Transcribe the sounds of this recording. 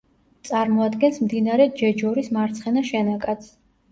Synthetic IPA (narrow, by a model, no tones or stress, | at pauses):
t̪sʼaɾmɔad̪ɡɛnsmd̪inaɾɛd͡ʒɛd͡ʒɔɾismaɾt̪sʰχɛnaʃɛnakʼat̪sʰ